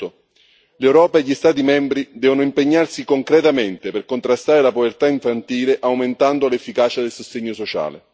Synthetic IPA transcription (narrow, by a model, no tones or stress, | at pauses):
o | lewɾɔːpaeʎːist̪aːt̪imɛmbɾid̪ɛːvonʊimpeɲːarsikoŋkɾɛt̪ament̪eperkont̪ɾast̪aːɾelapovert̪aiɱfant̪iːleʔawment̪and̪olefːikaːt͡ʃad̪elsost̪eɲːosot͡ʃa̰ːlḛ